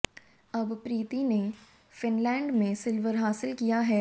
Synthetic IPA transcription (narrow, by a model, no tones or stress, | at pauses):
ɐbpɾiːt̪ine | fɪnlɛ̃ːɳɖmẽsɪlʋəɾɦaːsɪlkijaɦɛː